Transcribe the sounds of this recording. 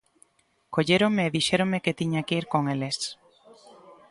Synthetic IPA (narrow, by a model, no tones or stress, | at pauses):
koʎeɾoŋmeːðiʃeɾoŋmeket̪iɲakiɾkoŋeles